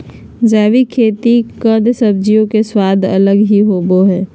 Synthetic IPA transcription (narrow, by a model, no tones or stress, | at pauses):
d͡ʒɛːʋikʰeːt̪ikəd̪səb̚d͡ʒijõkeswaːd̪ʱɐləɡɦiɦoːboɦɛ̃ː